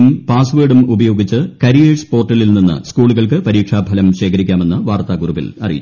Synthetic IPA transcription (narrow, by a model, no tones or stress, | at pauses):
mpaːsʋeːɖumubɐjo̞ːɡit͡ɕːɨkɐɾijeːʂpo̞ːrʈːɐlilninːɨ̰skuːɭuɣɐɭkɨpɐɾiːkʂaːbʱɐlɐmɕe̞ːkʰɐɾikʲːaːme̞nːɨʋaːrt̪aːɡurubḭlɐ̰rijit͡ɕː